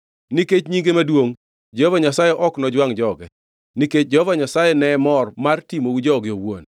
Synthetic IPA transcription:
niket͡ʃɲiŋɡemadwoŋ | d͡ʒɔvaɲasajɛʔɔknɔd͡ʒwaŋd͡ʒɔɡɛ | niket͡ʃ̚d͡ʒɔhɔvaɲasajɛnɛmɔrmartimowud͡ʒɔɡɪowon

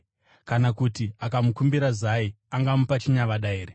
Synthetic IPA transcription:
kanakutiakamukumbiɾazai | aŋɡamupat͡ʃiɲaʋaɗaeːre

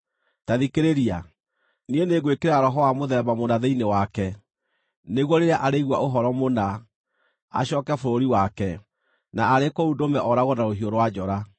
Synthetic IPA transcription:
taðikeɾeɾia | nieneɣwekeɾaaɾɔɦɔwamoðɛbamonaðeinewakɛ | neɣwɔɾeɾaʔaɾeiɣwa̰ʔoɦɔɾɔmona | a̰ɕɔkɛfoɾoɾiwakɛ | naːɾekoudomɛʔɔɾaɣɔnaoɦioɾowad͡ʒɔɾa

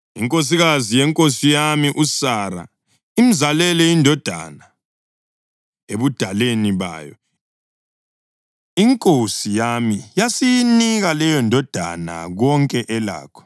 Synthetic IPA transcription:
ḭŋkʼos̬iɣazijɛŋkʼosijamiʔusaɾa̰ | imizalɛlɛjindʱɔd̥ʱa̰na | eβud̥ʱaleniβa̰ːjɔ̰ | iŋkʼosijamijasijiniɣalɛjɔndʱɔd̥ʱa̰na̰ɣɔŋkʼɛʔɛla̰ːkʰɔ̥

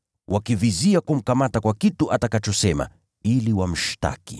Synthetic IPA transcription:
wʔakiviziakum̩kamatakwakituʔatakat͡ʃɔsɛma̰ | iliwam̩ʃta̰kḭ

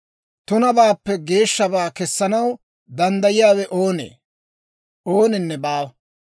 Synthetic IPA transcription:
t̪ʊnɐbaːpːɛɡe̞ːʃːɐbaːkɛsːɐnɐw | d̪ɐnd̪ɐjɪjaːwɛʔo̞ːnḛː | oːnɪnːɛbaːw

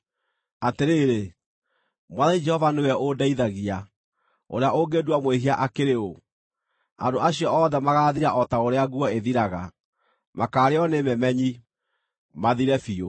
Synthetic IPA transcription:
ateɾeːɾe | mwaðaid͡ʒɛhɔvaneɣɛʔodaiðaɣia | o̰ɾeaoɡeːdwamweɦiaʔakeɾeo | a̰ndoaɕiɔɔːðɛmaɣaːðiɾaʔɔtaoɾeaɣwɔeðiɾaɣa | makaːɾeɔnemɛmɛɲi | maðiɾɛfio

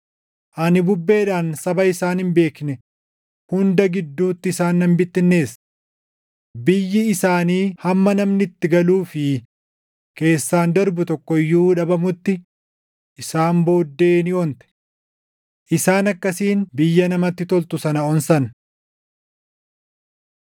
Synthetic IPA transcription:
ʔɐnɪbʊbːe̞ːᶑaːnsɐbɐɪsaːnhɪmbe̞ːknɛ | hʊnd̪ɐɡɪd̪ːuːt̪ːɪɪsaːnːɐmbɪt̪ːɪnːe̞ːs | bɪjːɪɪsaːniːhɐmːɐnɐmnɪt̪ːɪɡɐluːfɪ | ke̞ːsːaːnd̪ɐɾbʊt̪ɔkːɔɪjːuːᶑɐbɐmʊt̪ːɪ | ʔɪsaːmbo̞ːd̪ːe̞ːnɪɔnt̪ɛ̥ | ʔɪsaːnɐkːɐsiːnbɪjːɐnɐmɐt̪ːɪt̪ɔlt̪ʊsɐnɐɔnsɐn

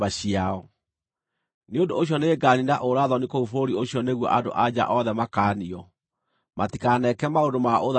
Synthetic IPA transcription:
aɕiaɔ | neodooɕ̬jɔneɡaninaʔoɾaðɔnikoufoɾioɕjɔneɣwɔ̰ʔado̰ʔad͡ʑa̰ʔɔðɛmakaːniɔ | matikanɛkɛmaondomaoða

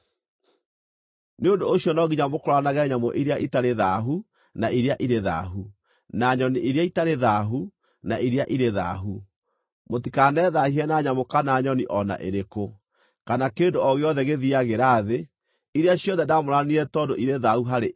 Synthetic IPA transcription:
neondoːɕjɔnɔɣiɲamokoɾwanaɣɛɲamɔ̰ʔiɾeaʔitaɾeðaɦu | naiɾeaʔiɾeða̰ɦu | naɲɔniʔiɾeaitaɾeðaɦu | naiɾeaʔiɾeða̰ɦu | motikanɛðahiɛnaɲamokanaːɲɔniʔɔna̰ʔḛɾeko | kanakeːndoɔɣeɔðɛɣeðiaɣeɾaːðe | iɾeaɕjɔðɛdamoɾaniɛtɔːdoʔiɾeðahuɦaɾe

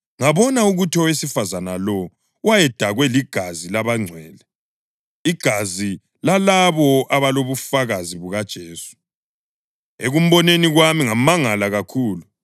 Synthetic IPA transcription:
ŋaβɔnauɣutʰɔwesifazanalɔ | wajɛd̥ʱaɣwɛliɡ̥ʱazilaβaŋ͡ǀʱwɛːlɛ | iɡ̥ʱazi | lalaβɔʔaβaloβufaɣaziβuɣad̥ʒ̥ʱeːsu̥ | eɣum̩βɔneniɣwamiŋamaŋalaɣakʰuːlu

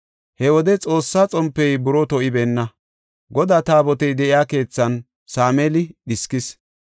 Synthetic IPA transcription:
hɛwɔd̪ɛt͡sʼo̞ːsːaːt͡sʼɔmpːɛjbʊɾɔt̪ɔʔɪbeːnːɐ | ɡɔd̪aːt̪aːbɔt̪ɛjd̪ɛʔɪjaːke̞ːt͡sːɐn | saːmɛlɪɗɪskɪs

